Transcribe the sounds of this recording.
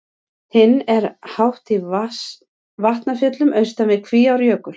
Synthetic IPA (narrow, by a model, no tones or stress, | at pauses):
hɪnːɛɾ̥hawht̪i | vaht̪nafjœt̪lʏmœɥst̪amɪðkʰviːawɾjœːkʏ